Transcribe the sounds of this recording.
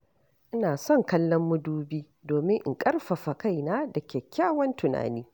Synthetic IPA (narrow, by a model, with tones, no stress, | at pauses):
ʔɪ˦naː˨sɔ˦˨ŋkɐ˦lːɔ˦mːʊ˦duː˦biː˦ | doː˨mɪ˦ŋʔɪ˨ŋkʼɐ˦rɸɐ˨ɸa˨ka˦˨jnaː˦da˨kʲɛː˨kʲːaː˦wɐ˦ntʊ˨na̰ː˨niː˦